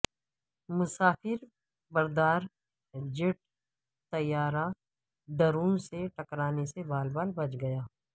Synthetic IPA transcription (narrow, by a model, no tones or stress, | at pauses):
mʊsaːfɪɾ | bɐɾd̪aːɾ | d͡ʒɪʈ̚ | t̪ɐjːaːɾa | d̪ɐɾũːnseʈɐkɾaːnesebaːlbaːlbɐt͡ʃɡɐjaː